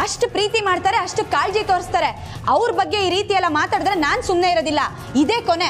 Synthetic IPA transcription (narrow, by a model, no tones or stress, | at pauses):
ɐʂʈpɾiːt̪imaːɖt̪aːɾeɐʂʈukaːld͡ʒit̪oːɾst̪aːɾe̞ | ɐʋɾbɐɡːe̞iːɾiːt̪ijɛlːɐmaːt̪aːɽd̪ɾenaːnsumne̞iɾod̪ilːɐ | id̪e̞ːkone